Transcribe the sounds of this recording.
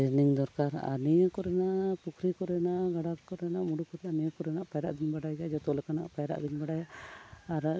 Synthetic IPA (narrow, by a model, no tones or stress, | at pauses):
eniŋd̪ɔɾkaɾa̰nijɔkɔɾɛnaʔpukʰɾikɔɾɛnaʔɡaɽakkɔɾɛnaʔmuɽukɔɾɛanijɔkɔɾɛnaʔpajɾaʔd̪inbaɽajad͡ʒɔt̪ɔlɛkana̰ʔpajɾa̰ʔd̪inbaɽajaaɾ